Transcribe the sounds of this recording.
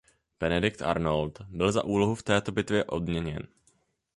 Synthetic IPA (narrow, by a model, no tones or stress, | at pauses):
b̥ɛnɛdɪk̚t̪ʔa̰ɾnolt̪bɪlza̰ʔuːlo̞ɦuft̪ɛːt̪o̞bɪt̪vjɛʔo̞d̚mɲɛɲɛ̰n